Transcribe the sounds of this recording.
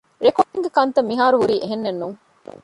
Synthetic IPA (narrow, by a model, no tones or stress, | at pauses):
ɾekoʈːeŋɡekɐnt̪ɐmːiɦaːɾuɦuɾiːʔeɦenːenːuːŋ